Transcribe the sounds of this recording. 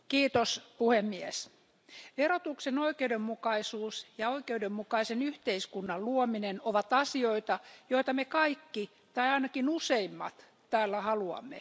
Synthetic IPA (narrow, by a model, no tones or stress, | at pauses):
kiːt̪ospuhemːies | ʋerot̪uksenoikeudemːukɑisuːsjɑoikeudemːukɑisenyht̪eiskunːɑlluominenoʋɑt̪ɑsioit̪ɑjoit̪ɑmekɑikːi | t̪ɑiɑinɑkinuseimːɑ̰t̪ | t̪æːlːæhɑluɑ̰mːḛ